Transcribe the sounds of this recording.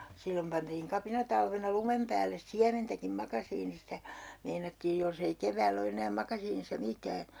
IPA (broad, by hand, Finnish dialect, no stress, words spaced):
silːom pɑntiːŋ kɑpinɑtɑlʋenɑ lumem pæːlːes siæmentækim mɑkɑsiːnistæ meinɑtːiːj jolsei keʋæːlː o enæː mɑkɑsiːnisːɑ mitæː